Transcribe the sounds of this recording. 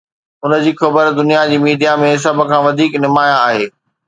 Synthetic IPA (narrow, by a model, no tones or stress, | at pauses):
ʊnəd͡ʑiːxɐbəɾd̪ʊnijad͡ʑiːmiːɖʱijamẽɦɪs̬abʱə̆kʰãːʋɐd̪ʱiːknɪmaːjãaːɦeː